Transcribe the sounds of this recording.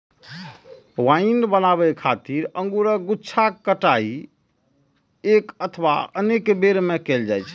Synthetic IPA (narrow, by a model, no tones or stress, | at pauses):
wainbənaβɛkʰat̪iɾəŋɡuɾəɡutːt͡ʃʰakəʈai | ekət̪ʰəba̰ənekbeɾmekeld͡ʒajt͡ʃʰ